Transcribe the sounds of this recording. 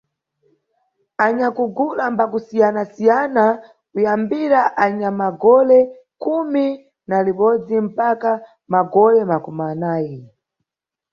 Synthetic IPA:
aɲakuɡulambakusijanasijana | kujambiɾaʔaɲamaɡɔlɛ | kumi | naliɓɔd͡zim̩paka | maɡɔlɛmakumanaːji

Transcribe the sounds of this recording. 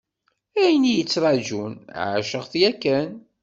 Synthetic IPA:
æjənijət͡sːɾˤɑd͡ʒunʕa̰ʃəʁθjækːæn

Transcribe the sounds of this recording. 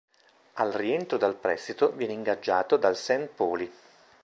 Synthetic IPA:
alrient̪ɾod̪alpɾɛst̪it̪ovjɛːneiŋɡad͡ʒːaːt̪od̪alsɛnpɔːli

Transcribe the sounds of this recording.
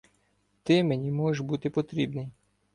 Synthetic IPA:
t̪ɪmenʲimɔʒeʃbut̪ɪpɔt̪ɾʲibnɪj

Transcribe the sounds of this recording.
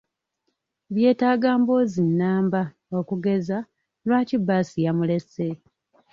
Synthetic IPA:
βje̞ːtaːɡaːmbo̞ːzinːaːmba | okuɡe̞za | lwaːcibːaːsijamule̞se

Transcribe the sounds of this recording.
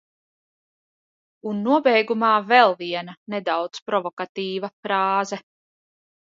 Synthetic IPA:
unːuɔbɛjɡumɑːvɛlˠviɛnɐnɛd̪awt̪spɾɔvɔkat̪iːvɐfɾɑːzɛ

